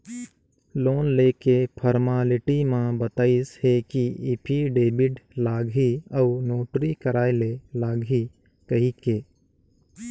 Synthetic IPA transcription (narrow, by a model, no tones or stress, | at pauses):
loːnleːkepʰəɾmaːlɪʈimãbət̪aːɪshekiipʰiɖeːbɪɖlaːɡɦiɐʊnoːʈɾikəɾaːelelaːɡɦi | kɐɦikeː